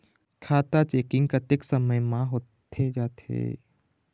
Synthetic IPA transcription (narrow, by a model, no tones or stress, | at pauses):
kʰaːt̪at͡ʃeːkɪ̃ŋɡ̚kat̪ɪksəməjmãɦoːt̪ʰed͡ʒaːt̪ʰḛː